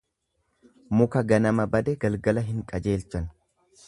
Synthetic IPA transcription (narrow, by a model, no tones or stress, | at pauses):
mʊkɐɡɐnɐmɐbɐd̪ɛɡɐlɡɐlɐɦɪŋkʼɐd͡ʒe̞ːlt͡ʃːɐn